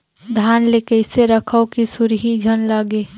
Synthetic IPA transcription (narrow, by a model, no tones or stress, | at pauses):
d̪ʱaːnlekəɪseɾəkʰəokisuɾɦid͡ʒʱənləɡeː